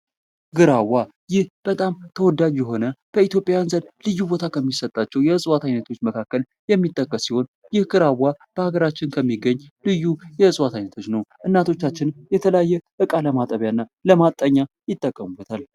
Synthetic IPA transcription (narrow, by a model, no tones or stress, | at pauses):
ɡɨɾawːa | jɪhb̥ət̪ʼamt̪ʰəwɔd̪ad͡ʒjɛɦo̞nəb̥əit̪jo̞pʼjajanzənlɨjːubo̞t̪ʰakʰəmːisət̪ʼːat͡ʃːɛwjɛɨsʼwat̪ajnət̪ʰo̞t͡ʃːməkʰakːəl | jɛmːit̪ʼːəkʼːəsːiho̞n | jɪhɡɨɾawːab̥əhaɡəɾat͡ʃːɪnkʰəmːiɡəɲːlɨjːujɛɨsʼwat̪ʰajnət̪ʰo̞t͡ʃnəwʔɨnːat̪ʰo̞t͡ʃːat͡ʃːɪnjɛt̪ʰələjajːɛʔɨkʼaləmat̪ʼəβjanːaləmat̪ʼːəɲːa | jɪt̪ʼːəkʼːəmubət̪ʰal